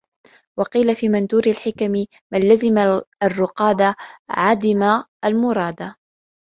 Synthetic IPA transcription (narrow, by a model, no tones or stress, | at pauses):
wɑqiːlafiːmand̪uːɾalħɪkamɪ | manːazɪmaarˤːʊqɑːd̪aʕad̪ɪmaʔalmʊɾˤɑːd̪a